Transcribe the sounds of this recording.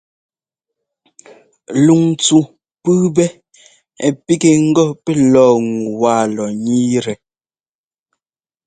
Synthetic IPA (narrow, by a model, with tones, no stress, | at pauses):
lu˨ŋt͡su˨ | pɨ˦bɛ˦ | ɛ˨pi˦ke˨ŋ̩˦ɡɔ˦pɛ˦lɔː˦˨ŋu˨waː˦˨lɔ˨ɲi˦ɾɛ˨